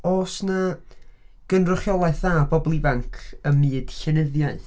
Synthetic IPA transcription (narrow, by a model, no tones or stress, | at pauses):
ɔsna | ɡ̥ənrʊχjɔlˠaɨθðaːbɔblˠivaŋkʰəmɨːd̥ɬɛnəðjaɨθ